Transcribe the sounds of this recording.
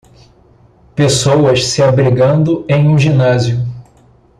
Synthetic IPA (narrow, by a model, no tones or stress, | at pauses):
pesowɐʃsɪabɾiɡɐ̃nd̪ʊẽj̃ũʒinazjʊ